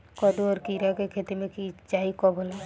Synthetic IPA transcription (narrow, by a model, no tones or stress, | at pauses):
kɔd̪oɔːɾkiɾakekʰeːt̪imẽkit͡ʃaːikɔbʱola